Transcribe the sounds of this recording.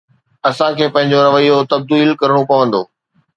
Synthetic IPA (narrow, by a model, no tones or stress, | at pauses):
ɐsãkʰeːpɐ̃ɦɪ̃ɲd͡ʑoɾɐʋəijot̪ɐb̚d̪iːlkɐɾəɽ̃opɐʋə̃nd̪oː